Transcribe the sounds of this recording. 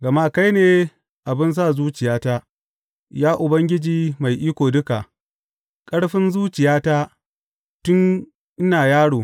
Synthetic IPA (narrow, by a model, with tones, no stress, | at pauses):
ɡɐ˨ma˦ka˦jneː˦ | ʔa˨bɪ˦ns̬aː˦˨zuː˦t͡ʃɪ˨jaː˦taː˦ | jaː˦ʔʊ˨bɐ˦ŋɡʲɪ˦d͡ʒiː˨ma˨jʔiː˦kʷoː˨dʊ˦ka˨ʔ | kʼɐ˦ɽɸɪ˦nzuː˦t͡ʃɪ˨jaː˦taː˦ | tʊ˦n | ʔɪ˦naː˨jaː˦ɽoː˨